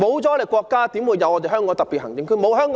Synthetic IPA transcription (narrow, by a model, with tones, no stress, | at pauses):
mo˨˧wt͡sɔː˨˥le˨˩kʷɔː˧kːaː˥t̪iː˨˥mwuː˨˧jɐ˨˧wʔɔː˧te˨jɦœː˥ŋkɔː˨˥ŋt̪ɐ˨pːi˨t̚hɐ˨˩ŋt͡sɪ˨˧ŋkʰɵ˥˩mo˨˧wɦœː˥ŋk